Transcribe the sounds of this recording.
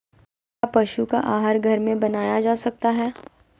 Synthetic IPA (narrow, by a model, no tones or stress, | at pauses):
kaːpɐʃukaʔaːɦəɾɡʱɐɾmẽbɐnaːjad͡ʒaːsɐk̚t̪aɦɛː